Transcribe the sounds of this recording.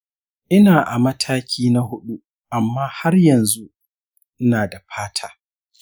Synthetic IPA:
ʔɪ˦naː˨ʔa˨mɐ˦tʰaː˦kʲʰiː˦na˦hʊ˦ɗu˦ | ʔa˨mːaː˦ha˦rjɐ˨nzu˦ʔ | naː˨da˨ɸaː˦tʰaː˦

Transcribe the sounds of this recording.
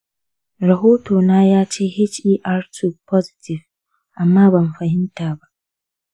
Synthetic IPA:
ɾɐ˨ɦoː˦toː˨naː˦jaː˦t͡ʃeː˦hɪ˦t͡ʃiː˦ʔa˦ɾtʊ˦k̚pʰɔ˦zɪ̥˨tʰɪ˨v | ʔa˨mːaː˦bɐ˨m˨ɸɐ˨hɪ˦ntaː˨ba˦ʔ

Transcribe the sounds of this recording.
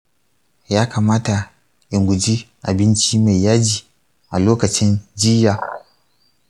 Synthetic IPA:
jaː˦ka˨maː˦ta˨ | ʔɪ˨ŋɡʷʊ˨d͡ʒi˦ʔa˨bɪ˦nt͡ʃi˦ma˨jːaː˦d͡ʒiː˨ | ʔa˨loː˦kɐ˨t͡ʃɪ˦nd͡ʒɪ˦jaː˨

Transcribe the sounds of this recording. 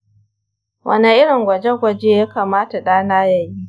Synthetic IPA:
wʔɐ̰˦ne˨ʔɪ˦ɽɪ˨ŋɡʷɐ˨d͡ʒe˦ɡʷɐ˨d͡ʒe˦jaː˦kaː˨maː˦ta˨ɗaː˦naː˦ja˨ji˦

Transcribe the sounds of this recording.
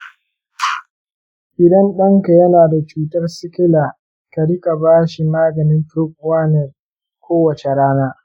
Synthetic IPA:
ʔɪ˨dɐ˦nɗɐ˦ŋka˨jɐ˦naː˨da˨t͡ʃuː˦tɐ˦rsɪ˦kʲɪ˦laː˨ | kɐ˨ɽɪ˦ka˨baː˦ʃi˨maː˦ɡɐ˨nɪ˦nɸʊ˦k̚ʼwaː˦nɛ˨r | kʷoː˦wɐ˨t͡ʃe˨ɽaː˦naː˦

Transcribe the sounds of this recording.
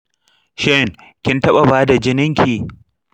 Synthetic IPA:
ʃɛ˦˨ŋ | kʲɪ˦ntɐ˦ɓa˨baː˦da˨d͡ʒɪ˦nɪ˦ŋkʲʰiː˨

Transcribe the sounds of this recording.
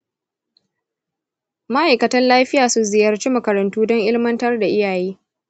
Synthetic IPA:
ma˦ʔa˨jkɐ˨tɐ˦nlaː˦ɸɪ˦jaː˨sʊ˦zɪ˨jɐ˦rt͡ʃiː˦mɐ˨kɐ˨ɾɐ˨ntuː˦dɔ˦ŋʔɪ˦lmɐ˦ntɐ˦rda˨ʔɪ˦jaː˨jeː˦

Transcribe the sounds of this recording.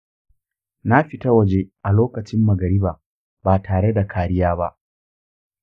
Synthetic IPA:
na˦ɸiɪ˨ta˦wɐ˦˨d͡ʒe˦ʔa˨loː˦kɐ˨t͡ʃɪ˦mːɐ˨ɡɐ˨ɾi˦baː˨ | baː˨tʰaː˨ɽe˦da˨kʰaː˨ɽɪ˦jaː˦ba˦ʔ

